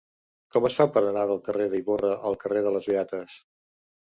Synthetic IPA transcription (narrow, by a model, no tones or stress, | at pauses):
kɔməsfapəɾənaðəlˠkəreðəiβorəʔəlˠkəreðələzβiat̪əs